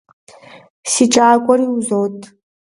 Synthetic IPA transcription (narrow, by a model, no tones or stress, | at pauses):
siʈ͡ʂʼaːkʷʼɔriuzowtʼ